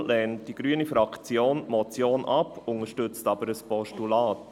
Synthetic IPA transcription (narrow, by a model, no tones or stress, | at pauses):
lɛːnt̚d̥iɡ̥ɾyənifɾɑkt͡sjoːnmɔt͡sjoːnʔɑpʊŋəʃtʏt͡stɑbəɾəspɔʃtulɑːt